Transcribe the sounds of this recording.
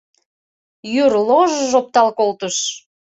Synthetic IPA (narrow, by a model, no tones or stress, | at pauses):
jyrloʒəʒop̚t̪ɑlkolt̪əʃ